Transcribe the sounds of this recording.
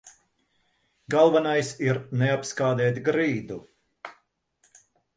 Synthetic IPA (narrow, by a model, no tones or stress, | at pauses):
ɡalˠvanajsiɾnɛapskaːd̪ɛːt̪ɡɾiːd̪u